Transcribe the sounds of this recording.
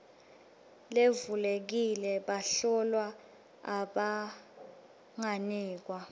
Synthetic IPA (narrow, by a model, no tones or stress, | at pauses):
levulek̬ilɛɓaɬɔlwa | aɓa | ŋaniːk̬wa